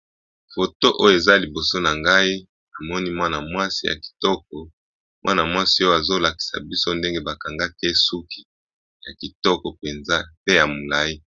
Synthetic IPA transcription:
fo˨to˦ʔo˦jo˦˨e˨za˦li˨bo˨so˦na˨ŋɡa˦i˦ | na˨mɔ˦ni˦mwa˦na˨mwa˦si˦ja̰˨ki̥˨tɔ˦k̚ɔ˨ | mwʔa̰˦na˨mwa˦si˦o˦ja˨zo˦la˨ki̥˨sa̰˨bi˦so˦nde˦ŋɡe˦ba˨ka˨ŋɡa˦ke˦su˦kʰi˦ | ja˨ki˨tɔ˦kɔ˨pe˨nza˦pe˦ja˨mo˨la˦i˦

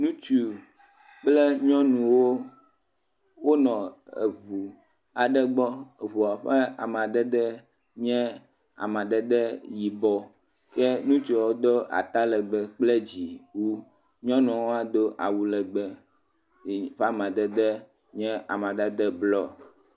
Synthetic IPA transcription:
nũ˦t͡ʃu˨ | k͡plɛ˦ɲɔ̃˦nũ˨wo˦ | wo˦nɔ̃˨ḛ˨βu˨ | a˨ɖɛ˦ɡ͡bɔ˦˨βu˨a˨ɸɛ˦a̰˨mã˨ɖ̪ɛ˦d̪ɛ˦ | ɲɛ̃˦ | a̰˨mã˨ɖɛ˦d̪ɛ˦ji˨bɔ˦ | kɛ˦nũ˦t͡ʃɔ˨wo˦d̪o˦ʔa̰˨t̪a˦lɛ˨ɡ͡bɛ˨k͡ple˦d͡ʑi˨wu˦ | ɲɔ̃˦nɔ̃˨wo˦a˦d̪o˦ʔa̰˨wu˦lɛ˨ɡ͡bɛ˨ | ɸɛ˦a˦˨mã˨d̪ɛ˦d̪ɛ˦ | ɲɛ̃˦ʔa˨mã˨ɖɛ˦d̪ɛ˦blɔ˦

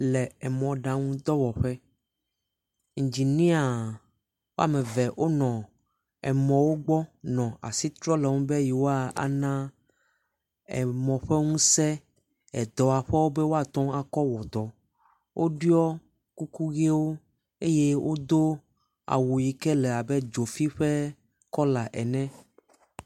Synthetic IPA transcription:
lɛ˨ɛ˨mɔ̃˨ɖã˨ŋũ˦d̪ɔ˦wɔ˨ɸe˦ | ŋ̩˨d͡ʑi˨nĩ˦a˨ | wo˦a̰˨mẽ˨vɛ˨ʔo˦nɔ̃˨ | ɛ˨mɔ̃˨wo˦ɡ͡bɔ˦nɔ̃˨a̰˨si˦t̪ɾɔ˦le˨ŋũ˦be˦ji˨wo˦a˨a̰˨nã˦ | ɛ̰˨mɔ̃˨ɸe˦ŋũ˦sɛ˦ | ɛ˨d̪ɔ˨a˨ɸɛ˦wo˦be˦wo˦a˦˨t̪ɔ̃˦a˨kɔ˦wɔ˨t̪ɔ˨ | wʔo˦ɖi˦ɔ˦ | ku˦ku˦ɣe˦wo˦ | e˦je˦wʔo˦d̪o˦ | a̰˨wo˨ji˨kɛ˦lɛ˨a˨be˦d͡ʒo˨fi˦ɸe˦ | kɔ˦la˨ʔɛ̰˨nɛ̃˦

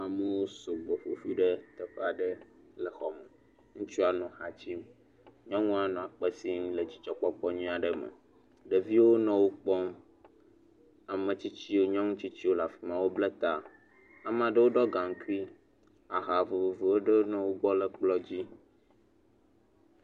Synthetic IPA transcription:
a˨me˦wo˦so˨ɡ͡bo˨ɸo˨fi˦ɖə˦t̪ə˨ɸɛ˦a˨ɖə˦ | lə˨xɔ˨me˨ | ŋũ˦t͡ʃu˦a˨nɔ̃˨xa˨t͡ɕi˦m | ɲɔ̃˦ŋũ˦a˨nɔ̃˨a˨k͡pə˦si˦lə˨d͡ʑi̥˨t͡ʃɔ˨k͡pɔ˦k͡pɔ˦ɲĩ˦a˨ɖə˨mə̰̃˨ | ɖə˨vi˦wo˦nɔ̃˨wo˦k͡pɔ˦m | a˨mə̃˨t͡ɕi˦t͡ɕi˦wo˦ɲɔ̃˦ŋũ˦t͡ɕi˦t͡ɕi˦wo˦la˨fi˨mã˨wo˦ble˦t̪a˨ | a˨m̃˨a˨ɖə˦wo˦ɖɔ˦ɡa˨ŋ̩˦ku˦i˦ | a˨ɦa˨vo˨vo˨vi˨wo˦ɖə˦wo˦nɔ̃˦wo˦ɡ͡bɔ˦lə˦˨k͡plɔ˦d͡ʑi˦

